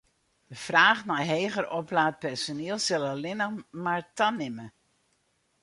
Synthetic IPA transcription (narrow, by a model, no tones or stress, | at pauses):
d̥əfraːχnajɦeːɣərʔɔplaːt̚pɛɹsoniːəlˠsɪlˠəlɪnəmaɹtanɪmə